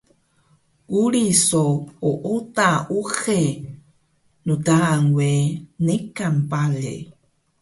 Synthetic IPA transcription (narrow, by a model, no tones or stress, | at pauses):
uɾisooʔot̪aʔuxe | nudaŋwenekampalḛ